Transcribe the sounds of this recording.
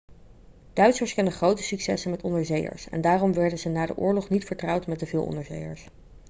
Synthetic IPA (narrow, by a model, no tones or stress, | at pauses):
d̥œɥtsəɹskɛndəχrowtəsyksɛsənmɛtɔndəɹzejə̰ɹsɛ̰ndaːrɔmʋɛɹdənzənaːdə̰ʔʊːɹlɔχnitfəɹtrʌwtmɛt̚dəvɪːlˠɔ̰ndəɹzḛjə̰ɹs